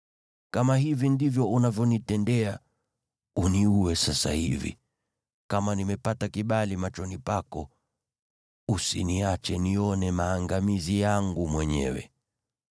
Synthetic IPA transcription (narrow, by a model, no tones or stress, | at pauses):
kamaɦivindivjɔʔunavjɔnitɛndɛa | uniuwɛsasa̰hḭvḭ | kamanimɛpatakiɓalimat͡ʃɔnipakɔ | usiniat͡ʃɛniɔnɛmaːŋɡamizijaŋɡumwɛɲɛ̰wɛ̰